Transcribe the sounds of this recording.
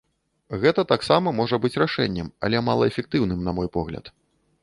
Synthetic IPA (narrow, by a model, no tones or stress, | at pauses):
ɣɛt̪ɐt̪aksamɐmɔʐɐbɨt͡sʲraʂɛnʲːɛmɐ̰lʲɛma̰lˠɐɛfʲɛk̚t̪ɨwnɨmnɐmɔjpɔɣlʲɐ̰t̪